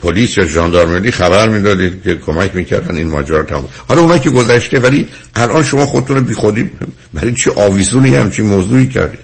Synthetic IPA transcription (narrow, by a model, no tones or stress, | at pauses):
pʰoliːsjɒːʒɒːnd̪ɒɾmelːiːxæβæɾmiːd̪ɒd̪id̪̥cʰekʰomæcʰmiːcʰæ̰ɾd̪æ̰ninmɒ̰ːd͡ʒæɾɒːt̪ʰæmṵmhɒlɒunhɒːjiceɡo̞zæʃt̪evæli | ʔælʔɒnʃo̞mɒːxod̪et̪ʰunebiːxod̪i | bæɾit͡ʃʰiʔɒːviːzuːnejhæ̰mt͡ʃʰinmozuːiːcʰæ̰ɾd̪id̪̥